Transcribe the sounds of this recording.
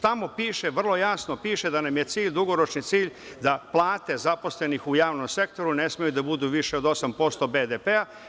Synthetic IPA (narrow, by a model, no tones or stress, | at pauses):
t̪amo̞piːʃe̞ʋr̩lˠo̞jasnopiːʃed̪anamje̞t̪siːʎʲd̪uɡo̞ɾo̞t͡ʃnit̪siːʎ | d̪aplˠaːt̪e̞zapo̞sle̞nixujaːʋno̞mse̞kt̪o̞ɾune̞smijud̪abud̪uʋiʃe̞od̪o̞sampo̞st̪o̞bed̪epea